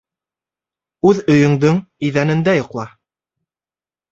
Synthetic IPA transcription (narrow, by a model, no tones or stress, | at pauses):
ʉðɵ̆jɵ̆ŋd̪ɵŋiðænɘ̆nd̪æjŏqlˠɑ